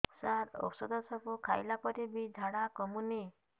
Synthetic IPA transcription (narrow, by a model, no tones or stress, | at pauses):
saɾɔ̰ksɔd̪ɔsɔpukʰajlapɔɾibid͡ʒʱaɽakɔmuni